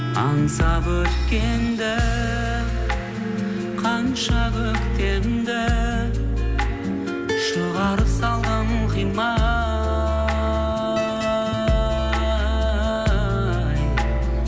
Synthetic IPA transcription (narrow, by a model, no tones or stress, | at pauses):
ɑ̰ɴsɑbɵt̪kʲend̪ɪ | qʰɑnʃɑkɵkt̪ʰeɾɪnd̪ɪ | ʃəʁɑɾəpsɑlˠʁɑnəqijmɑ | j